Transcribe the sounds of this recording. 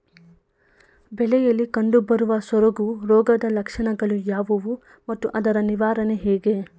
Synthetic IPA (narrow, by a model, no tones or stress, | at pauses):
bɛlɛjɐlːikɐɳɖubɐɾuʋɐsʋɐɾoɡuɾɔːɡɐd̪ɐlɐkʂɐɳɐɡɐɭujaːʋɐʋu | mɐt̪ːuʔɐd̪ɐɾɐniʋaːɾɐneɦɛːɡe